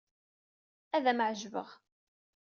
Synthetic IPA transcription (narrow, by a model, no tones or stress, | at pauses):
æðæmʕʒvə̰ʁ